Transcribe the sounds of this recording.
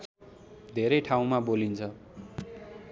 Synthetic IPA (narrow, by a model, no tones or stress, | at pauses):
d̪ʱeɾʌjʈʰaw̃mabolint͡sʰʌ